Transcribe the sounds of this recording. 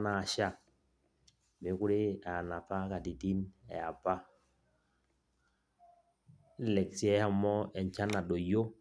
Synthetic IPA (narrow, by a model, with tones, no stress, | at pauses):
na˨ʃa˦˨ | me˨˦ku˦ɾi˦a˨na˨fa˦ka˨di˨di˦nɛ̰˨a˨pa˦ | lɛ˨ksi˦ɛ˦ha˦mɔ˦ɛ˨nt͡ʃa˦na˨do˨jo˦